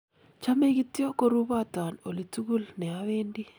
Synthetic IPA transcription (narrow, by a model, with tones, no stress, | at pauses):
t͡ʃa˦me˦ɡi˦tjo˦ko˦ɾu˦ba˦ta˨no˨li˨tu˦ɡu˦lnɛ˨a˦we˦ndi˦